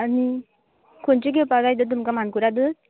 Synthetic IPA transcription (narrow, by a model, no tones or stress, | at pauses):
ani | kont͡ɕeɡepaɡajt̪̬ət̪umkamankuɾad̪ɯt̪̚